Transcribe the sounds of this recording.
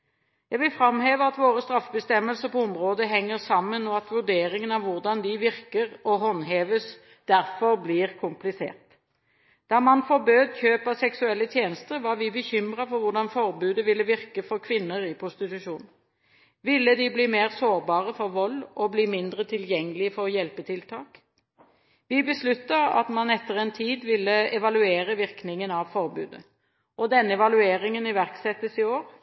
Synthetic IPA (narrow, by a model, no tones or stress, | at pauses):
jæɡʋɪlfɾɑmheːʋəɑt̪ʋoːɾəst̪ɾɑfbəst̪ɛmːəlsəʁpɔʊmʁoːd̪əɦɛŋːəʁsɑmːənɔɑt̪ʋʉʁɖ̪eːɾɪŋənɑʋʊʁd̪ɑnd̪ɪʋɪʁkəʁɔɦɔnɦeːʋəs | d̪̥æʁfɔʁbliːʁkʰʊmplɪsḛːʁt̪ | d̪̥ɑːmɑnfɔɾbøːd̪çøːpɑsɛksʉɛlːət̪ʰjeːnəst̪əɾʋɑɾʋɪbəçʏmʁɑfɔɾʋʊʁɖ̪ɑnfɔʁbʉːd̪əʋɪlːəʋɪʁkəfɔɾkʰʋɪnːəɾɪpʰʁʊst̪ɪt̪ʉʂuːnn̩ | ʋɪlːəd̪ɪbliːmeːʁsoːʁbɑːʁəfɔʁʋɔlːɔbliːmɪnd̪ʁət̪ʰɪljɛŋːəlɪəfɔʁjɛlpət̪ʰɪlt̪ʰɑːk | ʋɪbəslʉt̪ːɑɑ̰t̪mɑnɛt̪ːəʁɛnt̪ʰiːd̪ʋɪlːəɛʋɑlʉeːɾəʋɪʁknɪŋənɑʋfɔʁbʉ̰ːd̪ə | ʔɔd̪ɛnːəɛʋɑlʉeːʁɪŋənɪʋæʁksɛt̪ːəsɪoːʁ